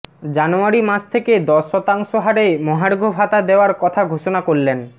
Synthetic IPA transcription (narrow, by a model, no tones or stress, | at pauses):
d͡ʑanoaɾimasʰt̪ʰeked̪ɔʃːɔt̪aŋʃoɦaɾemoɦaɽoɡʱobʱat̪ad̪eoaɾkɔt̪ʰaɡʱoʃonakoɽlen